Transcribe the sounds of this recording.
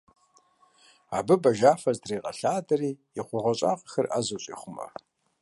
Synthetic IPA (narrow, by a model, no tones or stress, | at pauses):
abɨbɐʒaːfɐzdreːqʼɐ̰ɬaːdɐriː | iχʷʊʁʷɔɕʼa̰ːqʼəxɐrʔa̰ːzoɕʼḭːχʷʊmɐ̰